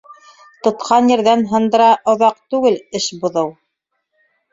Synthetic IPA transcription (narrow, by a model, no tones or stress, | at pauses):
t̪ŏt̪qɑnjɘ̆ɾðænɦɤ̆nd̪ɤ̆ɾɑʔŏðɑqt̪ʉɡɘlɘʃbŏðɤw